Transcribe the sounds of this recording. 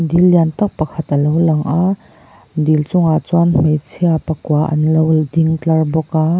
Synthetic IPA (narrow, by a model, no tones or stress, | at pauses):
dilːiant̪ɐk̚pɐkʰɐt̪ʔəlowlɐŋʔa | dilt͡sʊŋat͡swanm̥ejt͡sʰiapɐkuaʔɐ̰nlowdiŋtɐrbɔkaː